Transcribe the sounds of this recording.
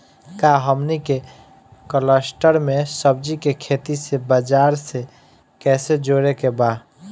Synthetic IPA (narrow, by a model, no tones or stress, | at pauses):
kaɦəmnike | kələsʈəɾmesəb̚d͡ʒikekʰet̪isebəd͡ʒaɾse | kɛːsed͡ʒoɾekeba